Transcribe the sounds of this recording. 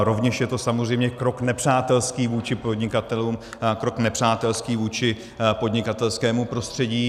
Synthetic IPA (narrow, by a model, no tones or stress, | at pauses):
ɾo̞vɲɛʃjɛt̪o̞samozr̝ɛjmɲɛkɾo̞knɛpr̝̥aːt̪ɛlskiːvuːt͡ʃɪpo̞dɲɪkat̪ɛluːm | kɾo̞knɛpr̝̥aːt̪ɛlskiːvuːt͡ʃɪ | po̞d̪ɲɪkat̪ɛlskɛːmupɾo̞st̪r̥ɛɟiː